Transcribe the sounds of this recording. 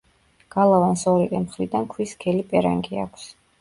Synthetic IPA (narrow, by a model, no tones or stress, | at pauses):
ɡ̥alˠavansɔɾit̪ʼɛmχɾid̪ankʰwiskʰɛlipʼɛɾa̰ŋɡia̰kʷʰs